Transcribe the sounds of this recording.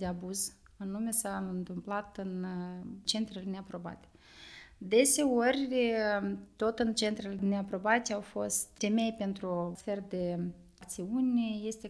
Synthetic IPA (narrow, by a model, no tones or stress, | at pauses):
d̪eabuz | ɨnume̞saɨnt̪ɨmplat̪ɨnt͡ʃe̞nt̪ɾeleneapɾo̞ba̰t̪ʲe̥ | d̪e̞se̞orʲ | t̪o̞t̪ɨnt͡ʃe̞nt̪ɾeleneapɾo̞bat̪ʲawfo̞st̪fe̞me̞jpe̞nt̪ɾuoferd̪e̞ | kt̪siunʲje̞st̪e̞